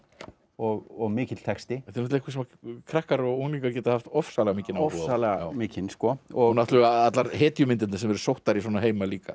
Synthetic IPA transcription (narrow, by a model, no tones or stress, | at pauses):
ɔɣɔɣmɪːcɪt̪l̥t̪ʰɛkst̪ɪt̪ʰɪɾnɔt̪ɛkvas̬ɛmakʰɾɛhkaɾɔɣoŋniːkacɛːt̪ahaft̪ɔfsaːlɛɣamiːcɪnawfusalɛɣaaːwmɪːcɪnskɔɔunat̪lɣaat̪laɾɦeːt̪jʏmɪnt̪ɪnnasɛmɛɾʏsowht̪aɾiswɔːnaɦeːjmaliːka̰